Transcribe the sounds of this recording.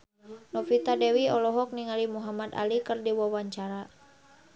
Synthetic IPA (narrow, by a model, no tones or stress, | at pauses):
nɔfit̪adɛwiɔlɔɦɔk̚niŋalimuɦamat̪a̰likərdiwawaɲt͡ʃaɾa